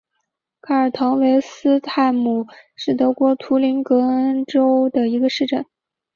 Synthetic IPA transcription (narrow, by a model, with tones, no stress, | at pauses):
kʰa˥˩ə˞˨˩t̪ʰɑ˧˥ŋwe˧˥ɪsɹ̩˥t̪ʰa˥˧˩ɪmu˨˩ʂɻ̩˥˩t̪ɤ˧˥kwɔ˧˥t̪ʰu˧˥li˧˥nkɤ˧˥ə˥nʈ͡ʂo˥ʊd̪ə˨i˧˥ɡə˧ʂɻ̩˥˧ʈ͡ʂə˥˩n